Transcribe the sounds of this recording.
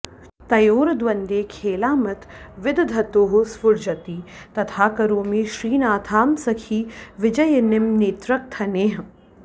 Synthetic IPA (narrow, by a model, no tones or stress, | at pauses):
t̪ɐjoːɾɐd̪ʋɐnd̪eːkʰeːlaːmɐt̪ʰʋɪd̪d̪ʱɐt̪oːɦospʊɾd͡ʒɐt̪iː | t̪ɐt̪ʰaːkɐɾoːmiʃɾiːnaːt̪ʰaːmsɐkʰiːʋɪd͡ʒɐjɐnɪmneːt̪ɾɐk̚t̪ʰɐneːɦɐ